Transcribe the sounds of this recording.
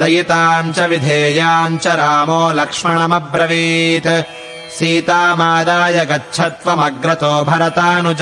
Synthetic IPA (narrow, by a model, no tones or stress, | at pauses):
ɐjit̪aːɲt͡ʃɐʋid̪ʱeːjaːnt͡ʃɐɾaːmoːlɐkʂmɐɳɐmɐbɾɐʋiːt̪ | siːt̪aːmaːd̪aːjɐɡɐtːʃʰɐt̪ʋɐmɐɡɾɐt̪oːbʱɐɾɐt̪aːnud͡ʒ